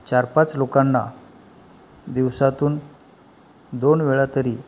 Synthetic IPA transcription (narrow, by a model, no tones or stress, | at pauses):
t͡ɕaɾpat͡slokanːa̰ | d̪iʋsat̪uːn | d̪onʋeɭat̪əɾiː